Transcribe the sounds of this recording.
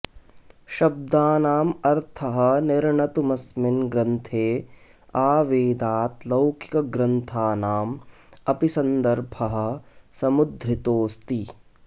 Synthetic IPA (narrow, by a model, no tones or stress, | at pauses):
ʃɐb̚d̪aːnaːmɐɾt̪ʰɐɦɐ̆nɪɾɳɐt̪umɐsmɪnɡɾɐnt̪ʰeː | aːʋeːd̪aːt̪lɐwkʰi̥kɐɡɾɐnt̪ʰaːnaːm | ɐpisɐnd̪ɐɾbʱɐɦɐ̆sɐmud̪ʱɾit̪oːst̪i